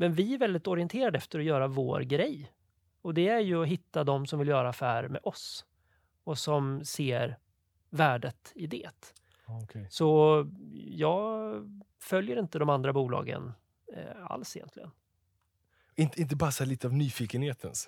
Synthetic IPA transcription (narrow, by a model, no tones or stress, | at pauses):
mɛnvɪæɾvɛld̪ɪt̪ɔɾɪənt̪ʰeːɾad̪əɛft̪əɾɔjœːɾavo̰ːɾɡɾɛjː | ɔd̪ɛæɾjɵɔɦɪt̪ːad̪ɔmsɔmvɪljœːɾafæːɾmɛ̰ʔɔs | ɔsɔmseːɾ | væːɖət̪ɪd̪ḛːt̪ | kʰsɔ | jɑːɡ | fœljəɾɪnt̪əd̪ɔmand̪ɾabuːlɑ̰ːɡə̰n̰ | a̰lsɪjɛ̰nt̪ʰlɪɡən | ɪnt̪əɪnt̪̬əbɑːɾsaliːt̪əavnyːfiːkənheːt̪ʰəns